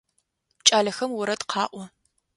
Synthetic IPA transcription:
t͡ʃʼaːɮɐxɐmwʊɾɐtqʰɑːʔʷɔ

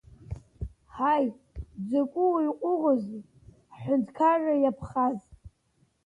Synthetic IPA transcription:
haj | d͡zakʷʼʊwiqʷʼʊʁʊzi | ħʷᶣʊndkʰarajapʰχaz

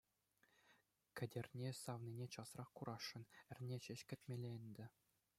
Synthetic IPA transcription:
kʲɘ̆dʲĕrʲnʲesɑʋninʲet͡ɕɑsrɑχkuɾɑʂːɤ̆nɘ̆rʲnʲeɕɘ̆ɕkʲɘ̆t̪ʲmʲelʲeɘ̆nʲd̪ʲɘ̆

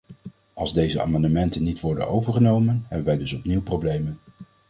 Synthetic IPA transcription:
ɑlˠzdejzəa̰ːmɑndəmɛntənːitʋɔɹdə̰nowvəɹχənowmənɦɛbənʋɛjdɵsɔpniwprowblejmən

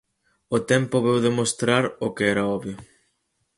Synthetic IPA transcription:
ot̪ɛmpʊβewðemost̪ɾaɾokeɛɾɐɔβjʊ

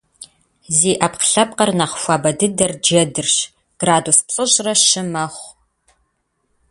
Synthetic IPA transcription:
ziːʔɐpqɬɐp̚qɐrnaχʷfʷɑːbɐdɨdɐrd͡ʒɐdɨrɕ | ɡ̥raːduːspɬʼɨʑrɐʃɨmɐχʷ

